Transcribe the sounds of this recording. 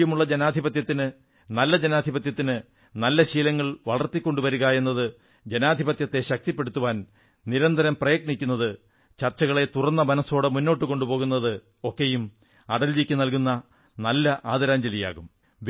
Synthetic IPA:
jɐmuɭːɐd͡ʑenaːd̪ʱibɐt̪jɐt̪ːinɨ | nɐlːɐd͡ʑenaːd̪ʱibɐt̪jɐt̪ːinɨ | nɐlːɐɕiːlɐŋːɐɭʋɐɭɐrt̪ːikʲːo̞ɳɖuʋɐɾuɣaje̞nːɐðɨ | d͡ʑenaːd̪ʱibɐt̪jɐt̪ːe̞ɕɐk̚t̪ipːe̞ɽut̪ːuʋaːn | niɾɐnd̪ʱɐɾɐmprɐjɐk̚ɳikʲːunːɐðɨ | t͡ɕɐrt͡ɕːɐɣɐɭe̞t̪urɐnːɐbɐnɐso̞ːɽemunːo̞ːʈːɨko̞ɳɖupo̞ːɣunːɐðɨ | o̞kːejum | ɐɽɐld͡ʑikʲːɨnɐlkunːɐ | nɐlːɐʔaːd̪ɐɾaːɲd͡ʑɐlija̰ːɣum | ʋ

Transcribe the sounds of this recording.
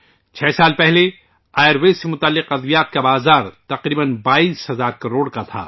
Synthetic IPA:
t͡ʃʰɛːsaːlpɛɦle | aːjəɾweːssːemʊt̪aːlːɪqɐd̪ʋijaːt̪̚kabaːzaːɾt̪ɐqɾiːbənbaːiːsɦɐzaːɾkɐɾoːɽkat̪ʰa̰ː

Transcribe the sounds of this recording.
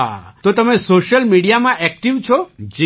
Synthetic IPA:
at̪ot̪əmẽsoʃəlmiɽijamãʔɛk̚ʈiʋt͡ʃʰɔd͡ʒi

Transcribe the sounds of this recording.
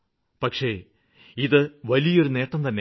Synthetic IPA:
pɐkʂe̞ | iðɨʋɐlijo̞ɾune̞ːʈːɐmt̪ɐnːe

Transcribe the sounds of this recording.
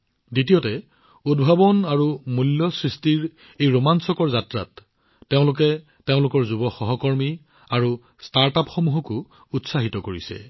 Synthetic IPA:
ditijɔtɛ | udbʱabɔnaɹumuljɔsɹistiɹ | ejɹomansɔkɔɹzatɹa̰tː | eʊ̃lʊk̬ɛ | teʊ̃lʊkɔɹzubɔxɔɦɔkɔɹmi | aɹu | staɹtapxɔmuɦɔkʊ | utsaɦitɔkoɹisɛ̰

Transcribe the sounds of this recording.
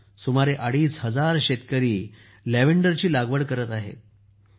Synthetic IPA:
sumaɾeʔaɽiːsɦəd͡zaɾɕet̪kəɾiː | leʋeɳɖəɾt͡ɕiːlaɡʋəɽkəɾət̪aɦḛ

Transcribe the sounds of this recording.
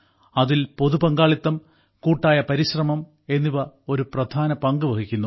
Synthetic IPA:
ɐðilpo̞ðupɐŋɡaːɭit̪ːɐm | kuːʈːaːjɐpɐɾiɕrɐmɐm | e̞nːiʋɐo̞ɾuprɐd̪ʱaːnɐpɐŋɡɨʋɐkikʲːunːu

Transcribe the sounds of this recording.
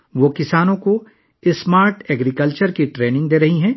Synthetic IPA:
ʋoːkɪsaːnõko | ɪsːmaːɾʈɛːɡɾikəlt͡ʃəɾkiʈɾeːnɪ̃ŋɡd̪eːɾɐɦiɦɛ̃ː

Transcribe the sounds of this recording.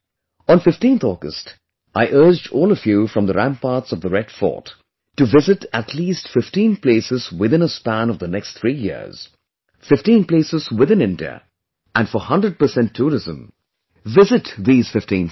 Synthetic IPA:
ə̃nfɪftĩnθɔɡə̰st | ʔaɪʔɜ˞d͡ʒdɔːlˠəfjuːfɹʌ̃mðəɾæ̃mpɑːɹtsʌvðəɹɛdfɔ̰ːt | tɨvɪzɨɾətʰliːstfɪftĩnpleɪsɨzwɪðɪ̃nəspæ̃nʌvðənɛkstθʰɹiːjɪ̰əɹz̥ | fɪftĩːnpleɪsɨz̥wɪðɪ̃nɪ̃ndiə̰ | ʔæ̃nfəhʌ̃ndɹəd̚pə˞sɛ̃ntʰːuːɹɪzə̃m | vɪzɨtðiːz̥fɪftĩn

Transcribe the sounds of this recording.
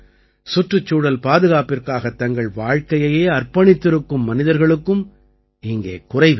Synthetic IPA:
sʊʈrɯt͡ʃːuːɽɐlpaːðɯɣaːpɪrkaːɣɐt̪ːɐŋɡɐɭʋaːɻkɐjɐjeːɐrpɐɳɪt̪ːɪɾɯkːɯmːɐnɪðɐɾɣɐɭɯkːɯm | ɪŋɡḛːkʊrɐɪʋ

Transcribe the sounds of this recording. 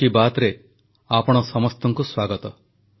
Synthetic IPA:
ibat̪ɾe | apɔɽ̃ɔsɔmɔst̪ɔŋkuswaɡɔt̪ɔ

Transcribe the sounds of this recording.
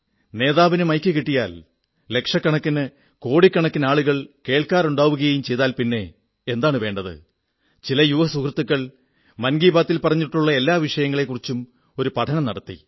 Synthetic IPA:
ne̞ːðaːʋinɨmɐjkʲːɨkiʈːijaːl | le̞kʂɐkːɐɳɐkːinɨ | ko̞ːɽikːɐɳɐkːinaːɭuɣɐɭke̞ːɭkaːɾuɳɖaːʋuɣɐjɐjumt͡ɕe̞jt̪aːlpinːe̞ | end̪aːɳɨʋe̞ːɳɖɐðɨ̰ | t͡ɕilɐjuʋɐsukrɐt̪ːukːɐɭ | mɐnɡiːbaːt̪ːilpɐrɐɲːiʈːuɭːɐe̞lːaːʋiʂɐjɐŋːɐɭe̞kːurit͡ɕːum | o̞ɾupɐʈʰɐnɐmnɐɽɐt̪ːḭ

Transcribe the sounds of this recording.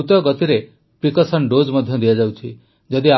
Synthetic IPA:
ut̪ɔɡɔt̪iɾe | pɾikɔsəɳɖod͡ʒməd̪ʱjɔd̪ijad͡ʒawt͡ʃʰi | d͡ʒʌd̪ia

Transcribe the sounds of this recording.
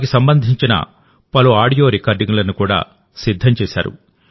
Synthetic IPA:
kisɐmbɐnd̪ʱiɲt͡ʃinɐ̰ | pɐluaːɽijo̞ːɾikaːɾɖiŋɡlɐnukuːɽa̰ː | sid̪ʱːɐmt͡ʃɛːʃa̰ːɾṵ

